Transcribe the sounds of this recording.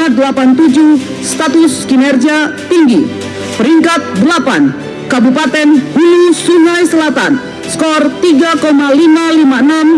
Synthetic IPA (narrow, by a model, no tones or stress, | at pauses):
adəlapant̪ud͡ʒu | st̪at̪ʊskinɛrd͡ʒiat̪iŋɡi | pəɾiŋkat̪̚dəlapan | kabupat̪ɛnhulusuŋajsəlat̪a̰n | skɔrt̪iɡakomalimalimaənam